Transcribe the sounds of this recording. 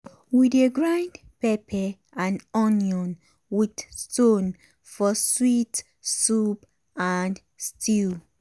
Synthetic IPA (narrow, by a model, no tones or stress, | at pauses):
wideɡɹãjnd | pɛpʰɛ | ãnɔnjɔ̃n | widstõn | fɔswit | sup | an | stʰi